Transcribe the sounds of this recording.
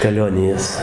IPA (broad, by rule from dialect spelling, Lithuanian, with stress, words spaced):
kɐˈlʲoːnʲɪjɛs